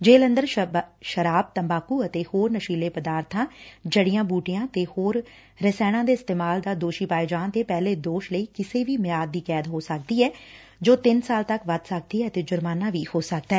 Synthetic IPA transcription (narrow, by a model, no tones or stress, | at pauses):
d͡ʒeːlə̃nd̪əɾʃəɾaːb̚t̪əmbaːkuːət̪eːhoːɾnəʃiːleːpəd̪aːɾt̪ʰãːd͡ʒəɽɪjãːbuːʈɪjãːt̪eːhoːɾː | əsɛːɽ̃ãːd̪eːɪst̪eːmaːld̪aːd̪oːʃiːpaːed͡ʒaːnt̪eːpɛːleːd̪oːʃləiːkɪseːʋiːmɪjaːd̪ːiːkɛːd̪ɦoːsək̚d̪iːɛː | d͡ʒoːt̪ɪnsaːlt̪əkʋət̪sək̚d̪iːɛːət̪eːd͡ʒʊɾmaːnãːʋiːhoːsək̚d̪aɛː